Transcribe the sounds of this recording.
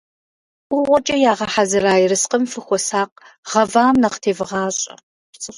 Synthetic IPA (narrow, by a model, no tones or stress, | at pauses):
ʊʁʷɔt͡ʃʼɐjaːʁɐħazɨɾaːjɪrɨsqəmfɨxʷɔsaːq | ʁɐvaːmnɐqtʰeːvɨʁɑːɕʼɐ̰ | t͡sʼɕ